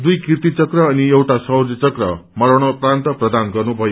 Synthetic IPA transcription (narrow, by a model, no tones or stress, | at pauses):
d̪ujkirt̪it͡sʌkrʌːniewʈasʌwd͡zʌt͡sʌkrʌ̰mʌɾʌɽ̃oprant̪ʌprʌd̪anɡʌrnubʱʌjo